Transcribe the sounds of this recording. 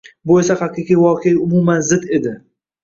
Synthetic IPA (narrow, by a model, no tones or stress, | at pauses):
bojsahaqiqijvɒːqʰeʊmumanzɪd̪ed̪ɪ